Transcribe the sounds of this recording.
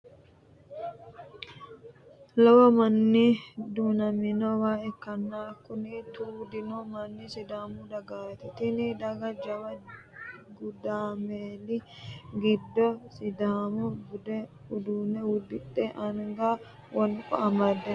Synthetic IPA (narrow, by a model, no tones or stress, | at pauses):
lɐwɐmɐnːid̪uːnɐmɪnowaːɛkːɐnːaːkʊnit̪uːd̪ɪnomɐnːisɪd̪aːmud̪ɐɡaːjɛt̪ɛt̪ɪnid̪ɐɡɐd͡ʒɐwɐ | ɡʊd̪aːmeːlɪɡɪd̪ːɔsɪd̪aːmuɡd̪ɛ | ʊd̪uːnɛwʊd̪ːɪtʼːeʔɐŋɡa | wɐnkʼɔ̰ɐmɐd̪ːɛ